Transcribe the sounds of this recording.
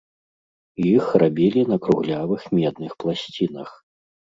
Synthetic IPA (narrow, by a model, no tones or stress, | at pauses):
jixrabʲilʲinɐkɾuɣlʲavɨxmʲɛd̪nɨxplˠasʲt͡sʲinɐ̰x